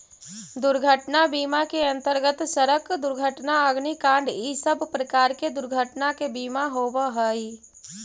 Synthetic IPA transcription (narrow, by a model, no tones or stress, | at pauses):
d̪ʊɾɡʱəʈnabiːmakeɐ̃nt̪əɾɡət̪səɾəkd̪ʊɾɡʱəʈnaəɡnikãːɳɖisəbʱpɾəkaːɾked̪ʊɾɡʱəʈnakebiːmaɦoːʋaɦəi